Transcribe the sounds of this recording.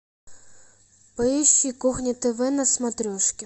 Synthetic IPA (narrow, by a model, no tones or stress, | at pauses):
pɐɛɕːikuxnʲit̪eʋɛnɐsmɐt̪ɾʲɔʃkʲɪ